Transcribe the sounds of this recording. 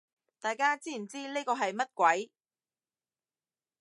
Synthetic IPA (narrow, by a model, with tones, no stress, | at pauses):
t̪aː˨jkaː˥t͡siː˥˨˩nt͡siː˥neː˥kɔː˧ɦɐ˨jmɐ˥t̚kʷɐ˨˥j